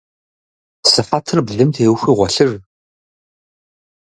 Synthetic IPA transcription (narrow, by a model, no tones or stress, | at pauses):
sɨfaːtʰɨrbɮɨmtʰeːwxʷiːʁʷɔɬɨr